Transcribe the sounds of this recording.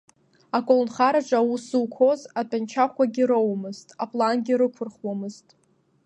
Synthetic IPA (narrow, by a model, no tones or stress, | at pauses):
akʷʼolnχaɾaʈ͡ʂʷʼausɨwkʷʰo̞zatʰʼant͡ʃʰaχʷaɡʲiɾowmɨztʼapʼlanɡʲiɾɨkʷʰʊrχwamɨztʼ